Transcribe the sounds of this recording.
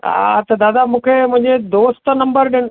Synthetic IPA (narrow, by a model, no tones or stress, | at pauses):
a̰t̪ɐd̪aːd̪amũːkʰemʊ̃ɦɲd͡ʑed̪oːst̪nɐ̃mbəɾɖɪn